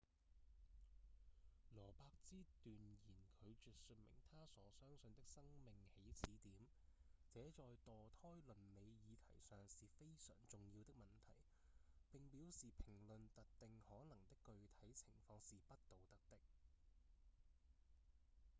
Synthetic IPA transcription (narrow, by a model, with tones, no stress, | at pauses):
lɔː˨˩paː˧˥k̚t͡siː˥t̪yː˨njiː˨˩nkʰɵ˨˧ɥt͡ʃyː˨t̚sɵ˧nmɪ̰˨˩ŋt̪ʰaː˥sɔː˨˥sœː˥ŋsɵ˧nt̪ɪ˥k̚sɐ˥ŋmɪ˨ŋhe˨˥jt͡sʰiː˨˥t̪iː˨˥m | t͡sɛː˨˥t͡sɔː˨jt̪ɔː˨t̪ʰɔː˥jlɵ˨nme˨˧jjiː˨˧t̪ʰɐ̰˨˩jsœː˨ŋsiː˨fe˥jsœ̰ː˨˩ŋt͡sʊ˨ŋjiː˧wt̪ɪ˥k̚mɐ˨˩nt̪ʰɐ̰˨˩j | pɪ˨ŋpiː˨˥wsiː˨pʰɪ˨˩ŋlɵ˨nt̪ɐ˨t̚t̪ɪ˨ŋhɔː˨˥nɐ˨˩ŋt̪ɪ˥kːɵ˨˧ɥt̪ʰɐ˨˥jt͡sʰɪ˨˩ŋfɔː˧ŋsiː˨pɐ˥t̚t̪o˨wt̪ɐ˥k̚t̪ɪ˥k̚